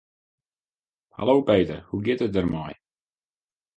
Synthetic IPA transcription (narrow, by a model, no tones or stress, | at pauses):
ha̰lowpejt̪ərhuɡɪtət̚d̪ərmɑj